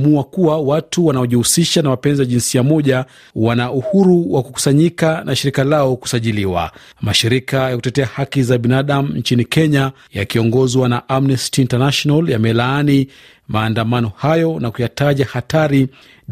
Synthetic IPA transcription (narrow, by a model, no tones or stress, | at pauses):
muakuwawatuwanaɔʄihusiʃanamapɛnzijaʄinsiamɔʄa | wanaʔuhuɾuwaku̥ku̥saɲikanʔaʃiɾikalaɔku̥saʄiliwa̰ | maʃiɾikajaku̥tɛtɛahakizaɓinaɗam̩ɲt͡ʃinikɛɲa | jakiɔŋɡɔzwanaʔamnɛstiːntanaʃɔnaljamɛlaani | maːndamanɔhajɔnakujataʄahataɾi